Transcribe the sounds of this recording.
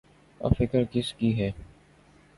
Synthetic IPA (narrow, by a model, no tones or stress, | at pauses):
ə̰fɪkəɾkɪskiːɦɛː